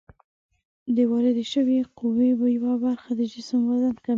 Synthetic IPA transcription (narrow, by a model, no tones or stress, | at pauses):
d̪əwɑɾɪd̪aʃəweqʊwebajawabaɾxad̪əd͡ʒɪsmwazanka